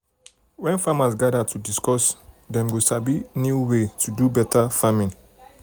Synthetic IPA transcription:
wɛ̃nfamasɡadatudiskɔs | dɛ̃mɡosabinjuwetʰudubɛtafamĩŋ

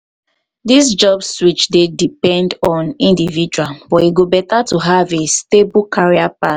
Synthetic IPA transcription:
disd͡ʒɔbswit͡ʃdedipɛ̃ndɔ̃nĩndivid͡ʒualbɔiɡobɛtatuɦavestebukʰaɹiapat

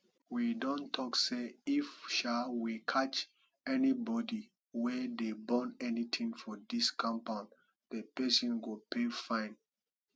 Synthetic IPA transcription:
widõntʰɔkseifʃawikʰat͡ʃ | ɛnibɔdi | wɛdebɔ̃nɛnitʰĩŋfɔdiskʰãmpãʊ̃n | d̥epɛsɔ̃nɡopʰefãɪ̃n

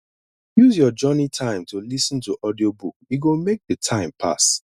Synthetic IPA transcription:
juzjɔd͡ʒɜnitʰãɪ̃mtʰulisɔ̃ntuʔɔdiobukiɡomek̚ðətʰãɪ̃mpʰa̰s

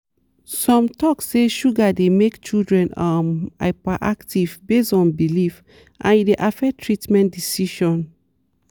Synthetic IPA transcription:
sɔ̃mtɔkseʃuɡademekt͡ʃildɹɛ̃nama̰paʔaktivbesɔ̃nbilif | ʔã̰nideʔafɛtʰɹitmɛ̃ntdisiʃɔ̃n

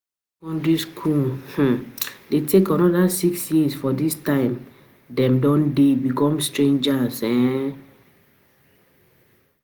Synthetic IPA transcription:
kɔ̃ndɹiskʰulh̩detʰekɔ̃nɔdasiksjisfɔdistãɪ̃m | dɛ̃mdɔ̃ndebikɔ̃mstɹẽnd͡ʒasɛ̃

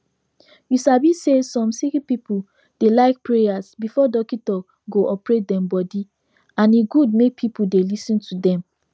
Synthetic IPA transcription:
jusabisesɔ̃msikipipu | d̥elaɪk̚pɹejasbifɔdɔkĩtɔk | ɡoʔɔpɹet̚dɛ̃mbɔdi | ãniɡud̚mek̚pʰipudelisɔ̃ntʰudɛ̃m

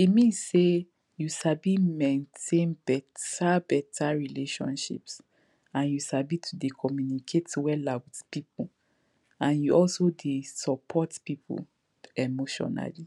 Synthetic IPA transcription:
imĩse | juʃabimɛ̃ntʰẽnbɛtabɛtʰaɹileʃɔ̰̃nʃḭps | ãnjuʃabitʰudekʰɔmjunikʰetwɛlawitpipʰu | ãnjuʔɔlsodesɔpʰɔtpipʰṵ | emoʃɔ̰na̰li

